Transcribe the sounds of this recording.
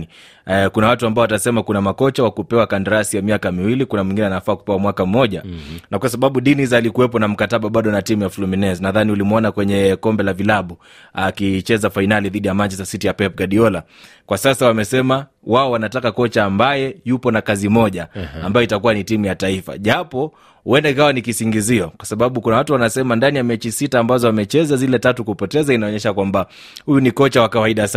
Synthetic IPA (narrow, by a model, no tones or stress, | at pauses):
i | kunawatuambaɔwatasɛmakunamakɔt͡ʃawakupɛwakandaɾasijamiakamiwilikunamwiŋɡinɛanafaːku̥pɛwamwakam̩mɔʄanakwasaɓaɓuɗinizalikuwɛp̬ɔnam̩kataɓaɓaɗɔnatimujafluminɛznaðaniulimɔnakwɛɲɛkɔmbɛlavilaɓu | akit͡ʃɛzafainaliðiɗijamant͡ʃɛstasitijapɛp̚ɡaɗiɔla | kwasasawamɛsɛma | waɔwanatakakɔt͡ʃaːmbajɛjupɔnakazimɔʄaambajɔitakuwanitimujataifa̰ʄapɔ | wɛndaikawanikisiŋɡiziɔkwasaɓaɓukunawatuwanasɛmandanijamɛt͡ʃisitaːmbazɔwamɛt͡ʃɛzazilɛtatukupɔtɛzainaɔɲɛʃakwamba | hujunikɔt͡ʃawakawaiɗasa